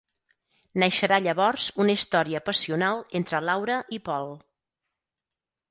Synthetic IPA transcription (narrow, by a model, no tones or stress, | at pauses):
nəʃəɾaʎəβɔrz̥unəist̪ɔɾiəpəsiunalˠent̪ɾəlawɾəʔipɔlˠ